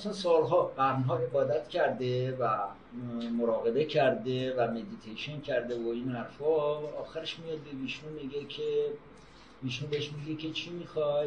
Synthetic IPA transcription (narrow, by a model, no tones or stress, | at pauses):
asɑnsɒːlɦɒːɢæɾnɦɒːe̞bɒːd̪æt̪cʰæɾd̪evæ | moɾɒːɣe̞be̞cʰæɾd̪e̞væme̞d̪it̪ʰejʃoncʰæɾd̪evoinhæɾfɒɒːxæɾeʃmijɒd̪̚beviːʃunmiɡekʲʰe | viːʃunbeeʃmiɡekʰe̞t͡ʃʰimixɒj